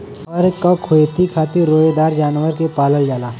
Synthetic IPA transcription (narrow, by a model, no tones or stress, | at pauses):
ɔɾkakʰoet̪ikʰaːt̪iɾoːed̪aːɾd͡ʒaːnʋəɾkepaːləld͡ʒaːlaː